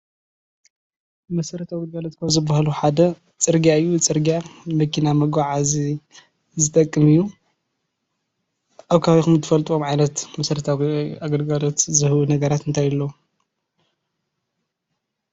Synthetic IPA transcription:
mɐsɐɾɐt̪ʰaɡɐlɡɐlot̪̚kʰɐzɨbːahaluħad̪ɐ | t͡sʼɨɾɡijaɨjːut͡sʼɨɾɡijamɐkʰinamɐɡʷaʕazi | zɨt̪ʼɐkʼːɨmɨjːu | ʔaβkʰaβixumt̪ʰɨfɐlt̪ʼuomʕajnɐt̪mɐsɐɾɐt̪ʰaaɡɐlɡalot̪zɨhwunɐɡɐɾat̪ɨnt̪ʰajɨlːo

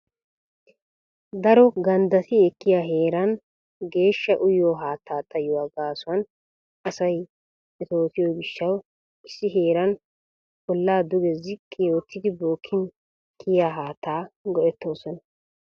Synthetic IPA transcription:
d̪ɐɾɔɡɐnd̪ɐsɪɛkːɪjaːɦe̞ːɾɐn | ɡe̞ːʃːɐʔʊjoːɦaːt̪ʰːaːt̪ʼːɐjɔwaːɡaːsʊɐn | ɐsɐj | ɛt̪o̞ːt̪ɪjoɡɪʃːɐw | ʔɪsːɪɦeːɾɐn | bɔlːaːd̪ʊɡɛzɪkʼːɪjoːt̪ʰːɪd̪ɪboːkʰːɪn | kʰːɪjaːɦaːt̪ːaːɡɔʔɛt̪ːo̞ːsɔnɐ

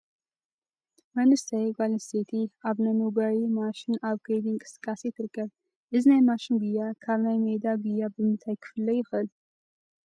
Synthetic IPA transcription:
mɐnɨsʰɐjɡalɐset̪ʰiʔaβnɐnuɡawimaʃɪnaβɡɾejd̪iŋkʼɨ̥sɨ̥kʼːasit̪ʰɨɾɨkʰːɐβ | ʔɨzinajmaʃɪnɡujːakʰaβnajmed̪aɡujːabɨmɨnt̪ʰajkʰɨ̥fɨlːɐjɪxʔɨl

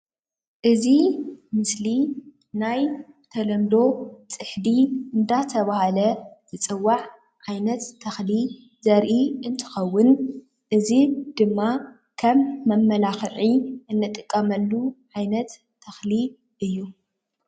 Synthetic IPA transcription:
ʔɨzimɨsli | naj | t̪ʰɐlɐmd̪o̞t͡sʼɨħd̪iʔɨnd̪at̪ʰɐβahalɐt̪ʰɨt͡sʼɨwːaʕ | ʕajnɐt̪ʰːɐxli | zɐɾʔiɨnt̪ʰɨ̥xɐwːʊn | ʔɨzid̪ɨmːa | kʰɐmːɐmːɐlaxʕiʔɨnːɐt̪ʼɨkʼːɐmɐlːuʕajnɐt̪ʰː | ɐxli | ʔɨjːu

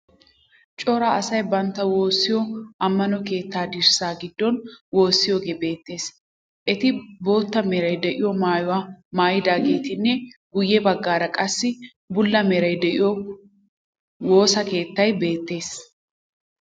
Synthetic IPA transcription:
t͡ʃʼɔɾaɐsɐjbɐnt̪ːɐwo̞ːsːɪjɔʔɐmːɐnɔke̞ːt̪ːaːd̪ɪɾsaːɡɪd̪ːɔnwo̞ːsːɪjoːɡeːbe̞ːt̪ːe̞ːs | ʔɛt̪ɪbo̞ːt̪ːɐmeːɾɐjd̪ɛʔɪjɔmaːjʊwamaːjɪd̪aːɡe̞ːt̪ɪnːɛɡʊjːɛbɐɡːaːɾɐkʼɐsːɪ | bʊlːɐmeːɾɐjd̪ɛʔɪ̰jɔ | wo̞ːsɐke̞ːt̪ːɐjbe̞ːt̪ːe̞ːs

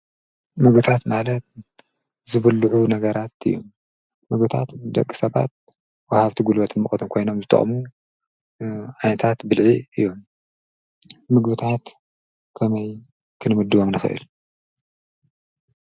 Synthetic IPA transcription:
mɨɡbɨt̪ʰat̪malɐt̪̚ | zɨβɨlːuʕunɐɡɐɾat̪ɨ̰jːo̰mː | ɨɡ̚bɨt̪ʰa̰t̪d̪ɐ̰kʼːi̥sɐβa̰t̪̚ | wahaβt̪ʰiɡulbɐt̪ʰɨnmɨχʼɐt̪ʰɨmkʰo̞jno̞mzɨt̪ʰʼɨ̰χʼmu | ʕajnɐt̪ʰat̪bɨlʕiɨjːo̞m | mɨɡbɨt̪ʰat̪ | kʰɐmɐj | kʰɨnɨmɨd̪ɨβomnɨxɨ̰ʔɨ̰l

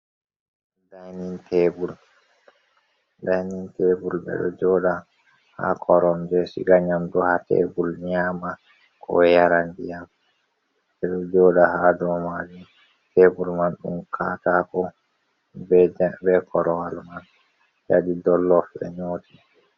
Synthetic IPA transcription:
dajnintʰebul | dajnintebulbɛ̰ɗɔ̰d͡ʒɔda | ha̰kʰɔɾɔnd͡ʒɛsḭɡaɲamdɔhatḛbulɲaːma | kʰɔ̰jaɾandijam | ɓɛɗɔd͡ʒɔdahadɔmad͡ʒu | tebulmanɗṵmkʰatakɔ | bbɛkʰɔɾɔwalman | jadidɔlːɔfbɛ̰ɲoːti

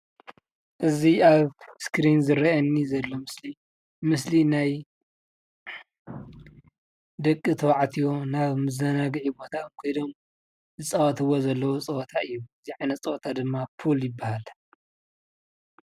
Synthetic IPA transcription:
ʔɨziaβskɾinzɨɾɐʔɐnːizɐlːomɨsli | mɨs̬linaj | d̪ɐkʼːɨt̪ʰɐwaʕt̪ʰijo̞naβmɨzɐnaɡɨʕibo̞t̪ʰamkʰojd̪om | zɨt͡sʼɐwɐt̪ʰɨwozɐlːɐwot͡sʼɐt̪ʰaʔɨjːuɨziʕajnɐt͡sʼɨwt̪ʰad̪ɨmːafʰuljɪbːahal

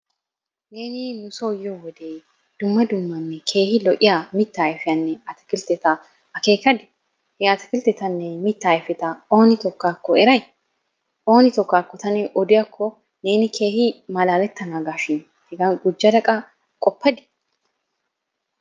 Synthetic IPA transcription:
ne̞ːnɪnʊsɔjːɔwɔd̪eː | d̪̥ʊmːɐd̪ʊmːɐnːɛkʰe̞ːhɪlɔʔɪjamɪt̪ːajfɪjɐnːɛɐt̪ɐ̥kɪlt̪ɛt̪ɐ | ɐke̞ːkɐd̪ɪ | hɛat̪ɐkɪlt̪ɛt̪ɐnːɛmɪt̪ːaːjfɛt̪ɐo̞ːnɪt̪ɔkːaːkːɔɛɾɐj | ʔo̞ːnɪt̪ɔkːaːkːɔt̪ɐnɛʔɔd̪ɪjɐkʰːɔ | ne̞ːnɪkʰe̞ːhɪmɐlaːlɛt̪ːɐnaːɡaːʃɪn | hɛɡɐnɡʊd͡ʒːɐd̪ɐkʼɐ | kʼɔpːɐd̪ɪ̥

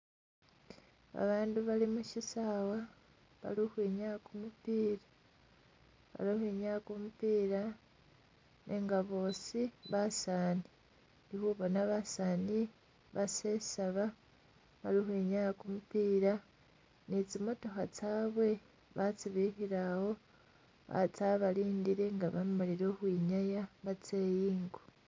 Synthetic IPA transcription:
a̰βaːnduβalimuʃisawa | βa̰lihwiːɲakumupiːɾa | βa̰lihwiːɲakumupiːɾa | nʔeŋɡaβo̞ːsiβasaːni | nihuβonaβasaːni | βasesaβa | βaɾihwiɲajakumupiːɾa | nit͡simoto̞xat͡saːβwe̞ | βat͡siβihiɾaho̞ | βa̰t͡saβaliːndiɾe̞ŋɡaβamaliɾoːhwiːɲajaβat͡se̞ːjiːŋɡo

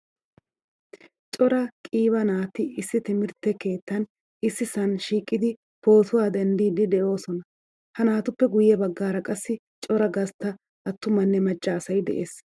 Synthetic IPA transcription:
t͡ʃʼɔɾɐkʼiːβɐnaːt̪ːɪɪsːɪt̪ɪmɪɾt̪ːɛke̞ːt̪ːɐn | ɪsːɪsɐnʃiːkʼːɪd̪ɪ | po̞ːt̪ʊwaːd̪ɐnd̪iːd̪ɪd̪ɛʔo̞ːsɔnɐ | hɐnaːt̪ʊpːɛɡʊjɛbɐɡːaːɾɐkʼɐsːɪ | t͡ʃʼɔɾɐɡɐst̪ːɐ | ʔɐt̪ːʊmɐnːɛmɐt͡ʃʼːɐːsɐjd̪ɛ̰ʔeːs

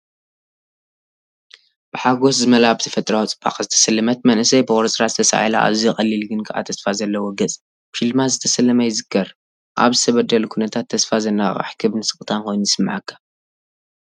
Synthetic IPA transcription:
b̥ɨħaɡo̞s̬zɨmɐlabɨt̪ʰɐfɐt̪ʼɾawt͡sʼɨba̰χʼzɨt̪ʰɐ̥sɐlːɐmɐt̪̚mɐnʔɨsɐjbɨxʼoɾsʼɾazɨt̪ʰɐsa̰ʕila̰ʔa̰βzijxʼɐlːilɡɨnkʰɨʔa̰t̪ʰɐsfazɐlːɐwoɡɐt͡sʼ | filmazɨt̪ʰɐsɐlːɐmajɪzɨkʰːɐɾ | ʔa̰βzɨt̪ʰɐβɐd̪ɐlukʰunɐt̪ʰat̪ʰːɐsfazɐnːaχʼɐ̰ħkʰɨβnɨsɨkʼt̪ʰanko̞jnuzɨsɨmːaʕakːḁ

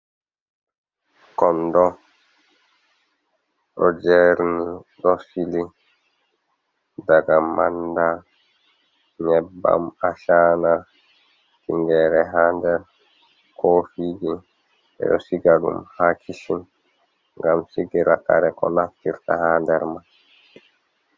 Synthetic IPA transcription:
kɔndɔ | ɗɔd͡ʒɛɾniɗɔsili | daɡamanda | ɲɛbːa̰maʃaːna | tiŋɡɛːɾɛɦaːndɛɾ | kʰoːfid͡ʒi | ɛ̰ɗɔsiɡalṵmhakʰisin | ŋɡamsiɡɛɾakaɾɛkɔ̰naftiɾtahaːndɛɾman

